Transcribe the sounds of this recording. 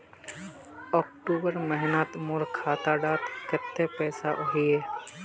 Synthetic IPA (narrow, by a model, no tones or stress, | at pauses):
ɔːk̚ʈoːbəɾməɦnaːt̪moːɾkʰaːt̪aːɖaːt̪kət̪ːepɛːsaʔɦijeː